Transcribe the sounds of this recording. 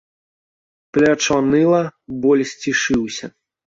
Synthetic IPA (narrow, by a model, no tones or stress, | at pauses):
plʲat͡ʂanɨlˠɐbɔlʲsʲt͡sʲiʂɨwsʲɐ